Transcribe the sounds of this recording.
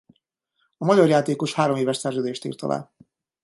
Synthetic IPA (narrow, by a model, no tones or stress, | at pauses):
ɒmɒɟɒrjaːt̪eːko̞ʃhaːɾo̞meːvɛʃsɛrzøːd̪eːʃt̪ḭːrt̪ɒ̰la̰ː